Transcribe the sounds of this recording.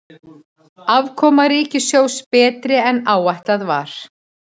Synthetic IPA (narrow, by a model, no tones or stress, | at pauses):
avkʰɔːmaɾiːcɪsjoːwspɛːt̪ɾɪɛnaːwajht̪laðva̰ɾ̥